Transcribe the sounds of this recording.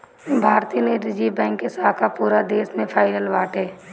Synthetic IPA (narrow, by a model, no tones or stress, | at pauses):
bʱaːɾt̪iːəneːt̪ɾəd͡ʒiːbɛ̃ːŋkːesaɦkapuːɾad̪eːsmẽpʰaːɪnəlʋaːʈeː